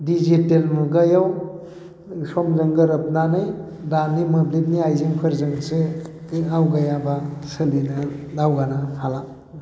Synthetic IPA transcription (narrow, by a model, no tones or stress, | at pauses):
dizitelmuɡajaw | sɔmzɯŋɡəɾɯp̚nanɯj | danimɯblit̚niajziŋpʰɐɾzɯŋse | awɡajabasəlinadawɡanapʰala